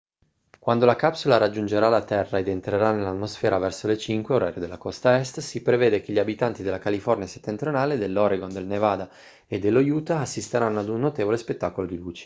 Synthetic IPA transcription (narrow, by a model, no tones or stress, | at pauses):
kwand̪olakapsulaɾad͡ʒːund͡ʒeɾalat̪ɛrːaed̪ent̪ɾeɾanelat̪mosfɛːɾavɛrsolet͡ʃiŋkweoɾa̰ɾjod̪elːakɔst̪aɛst̪sipɾeveːd̪ekeʎːiabit̪ant̪id̪elːakalifɔrniase̥t̪ːent̪ɾionaːled̪elːɔɾeɡond̪elnevaːd̪a | ed̪ːelːojuːt̪aːsːist̪eɾanːoad̪unːot̪eːvolespet̪ːaːkolod̪iluːt͡ʃe̥